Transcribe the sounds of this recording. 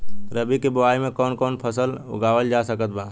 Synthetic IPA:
ɾəbikeboaːimẽkɔːnkɔːnpʰəsəlʊ̰ɡaːwəld͡ʒasəkət̪̚baː

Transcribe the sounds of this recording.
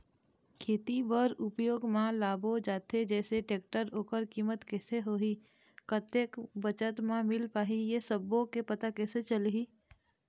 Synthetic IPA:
kʰeːt̪ibəɾʊpjoːɡmãlaːbʱod͡ʒaːt̪ʰed͡ʒɛːseʈeːk̚ʈəɾoːkəɾkiːmət̪kɛːseɦoːɦiː | kət̪ekbət͡ʃət̪mãmɪlpaːɦijesəbõkepət̪akɛːset͡ʃəlɦiː

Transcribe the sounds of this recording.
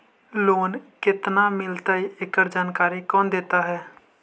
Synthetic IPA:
loːnkɪt̪namɪlt̪aiɪkəɾd͡ʒaːnkaːɾikɔːnd̪eːt̪aɦɛː

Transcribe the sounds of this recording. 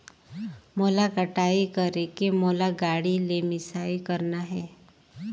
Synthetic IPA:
molakəʈaːikəɾekemoːlaɡaːɽilemɪsaːikəɾnaɦɛː

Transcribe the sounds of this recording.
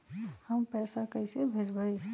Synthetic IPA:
həmpɛsakəɪsebʱed͡ʒbəj

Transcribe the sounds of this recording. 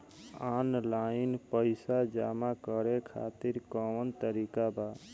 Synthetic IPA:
anlainpəɪsad͡ʒamakəɾekʰa̰t̪iɾkɔwənt̪əɾikaba

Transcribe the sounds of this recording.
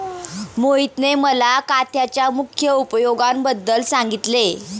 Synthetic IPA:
moit̪neməlakat̪jat͡ɕjamukʰjəupjoɡambəd̪ːəlsaŋɡit̪le

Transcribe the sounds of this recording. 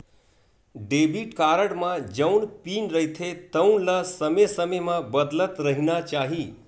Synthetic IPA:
ɖeːbiʈkaːɾəɽmãd͡ʒənpiːnɾəɦit̪ʰet̪əunləsəmesəmemãbəd̪lət̪ɾəɦinat͡ʃaːɦiː

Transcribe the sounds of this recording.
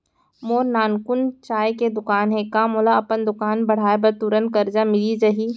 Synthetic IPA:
moːɾnaːnkʊnt͡ʃaːjked̪ʊkaːnɦẽkaːmoːlaɐpənd̪ʊkaːnbɐɽ̤aːebɐɾt̪uɾənkɐɾd͡ʒamɪlid͡ʒɐɦiː

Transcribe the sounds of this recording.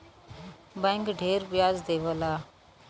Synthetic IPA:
bɛ̃ːŋkɖʱeːɾbɪjaːzd̪eːʋəlaː

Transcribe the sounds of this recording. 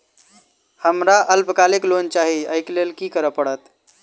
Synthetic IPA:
həmɾaʔəlpkaleklont͡ʃaɦiəɪklelkikəɾəpəɽət̪

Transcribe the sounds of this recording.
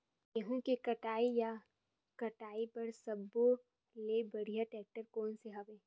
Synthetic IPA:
jɐɦũkekɐʈaːija | kɐʈaːipɐɾsɐbo | lebɐɽ̤ijaʈɛːk̚ʈəɾkoːnseɦɐʋẽː

